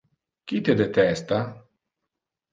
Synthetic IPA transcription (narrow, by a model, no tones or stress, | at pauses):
kit̪ed̪et̪ɛst̪a